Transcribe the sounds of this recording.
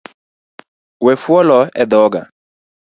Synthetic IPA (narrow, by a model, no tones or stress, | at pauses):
wɛfwɔlɔɛðɔɡa̰